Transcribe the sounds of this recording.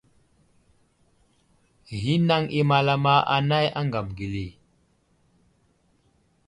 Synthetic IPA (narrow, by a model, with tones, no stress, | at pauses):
ɣi˦na˦ŋi˦ma˨la˦ma˦ʔa˨na˦ja˦ŋɡa˨mɡi˨li˨